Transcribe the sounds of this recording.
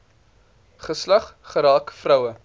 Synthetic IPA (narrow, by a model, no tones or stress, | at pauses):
χəslɐχχəɾɑːkfrœwə